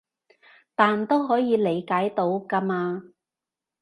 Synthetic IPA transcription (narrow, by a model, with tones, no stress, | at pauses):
t̪aː˨nt̪o˥wɦɔː˨˥jiː˨˧le˨˩jkaː˨˥jt̪o˨˥wka˧maː˧